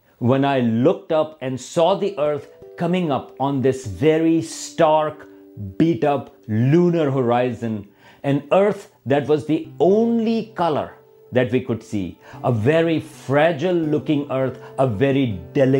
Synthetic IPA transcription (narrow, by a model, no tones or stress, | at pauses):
wɛ̃naɪlʊk̚ʈʌpɛ̃nɖsɔːd̪iʔəɾt̪ʰkʌmɪ̃ŋʌpɔ̃nd̪ɪsvɛɹisʈaɹk | b̥iːʈʌplũnəɾɦəɹaɪzə̃n | ɛ̃nəɾt̪ʰ | d̪æʈwɔzd̪iõʊ̃nlikʌlə̰ɹ | d̪æʈʋikʊɖsḭːʔəvɛɾifɾæd͡ʒəlˠːʊkɪ̃ŋəɾt̪ʰəvɛɾiɖɛlɪ